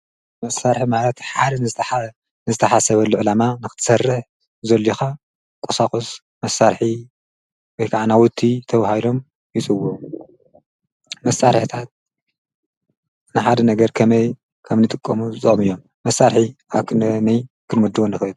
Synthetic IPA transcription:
mɐsaɾħimalɐt̪ħad̪ | nɨzɨt̪ʰɐħasɐβɐlːuʕɨlamanɨxɨ̥t̪ɨ̥sɐrːɨħ | zɐlːixa | kʼusakʼos | mɐsaɾħi | wojkʰaʕanawʊt̪ʰːit̪ʰɐβahilo̞m | jɪt͡sʼɨwu | mɐsaɾħt̪ʰat̪̚ | nɨħad̪ɐnɐɡɐɾkʰɐmɐj | kʰɐmnɨt̪ʼɨkʼːɐmuzɨt͡s̪ʼɐχʼmɨjːo̞mːɐsːaɾħiʔaβkʰɨnnɐj | kʰɨnmud̪ːuwonːɨxɨɨd̪

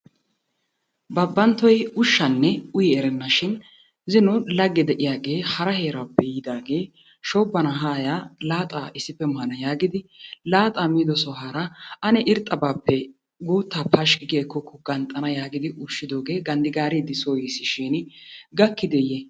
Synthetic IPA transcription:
bɐbːɐnt̪ːɔjʊʃːɐnːɛʊjɛɛɾɛnːɐʃɪn | zɪnʊlɐɡːɛd̪ɛʔɪjaːɡe̞ːhɐɾɐhe̞ːɾaːpːɛjɪd̪aːɡe̞ː | ʃɔːbːɐnɐɦaːjaːlaːt̪ʼaːɪsːɪpːɛmɐhɐnɐjaːɡɪd̪ɪlaːt̪ʼaːmiːd̪ɔsɔɦaːɾɐɐnɛʔɪɾt̪ʼːɐbaːpːɛ | ɡuːt̪ːaːpʰɐʃkɪɡeːkːɔkːɔɡɐnt̪ʼɐnɐjaːɡɪd̪ɪʔʊʃːɪd̪o̞ːɡe̞ːɡɐnd̪ɪɡaːɾid̪ɪsoːjisːɪʃinɡɐkːɪd̪ɛjɛ

